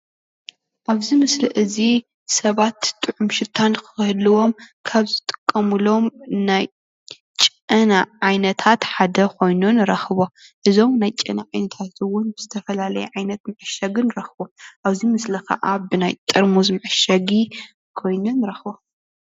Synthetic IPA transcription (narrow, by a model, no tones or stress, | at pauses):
ʔaβzimɨslɨʔɨzi | sɐβat̪t̪ʼːɨʕumʃɪt̪ʰankʰɨ̥xhlɨwo̞mkʰaβzɨt̪ʼɨ̥kʼːɐmɨlo̞mnaj | t͡ʃʼ | ɨnaʕajnɐt̪ʰat̪ħad̪ɐkʰo̞jnunɨɾɐxɨβo̞ʔɨzo̞mnajt͡ʃʼɐnaʕajnɐt̪ʰat̪ʰɨwʊnbɨz̥ɨt̪ʰɐfɐlalɐjɛʕajnɐt̪mɨʕɨʃɐɡɨnɨɾɐxɨboʔaβzimɨslɐkʰɐ̰ʔabɨnajt̪ʼɨɾmuzmɨʕɨʃɐɡi | kʰo̞jnonɨɾɐxɨβo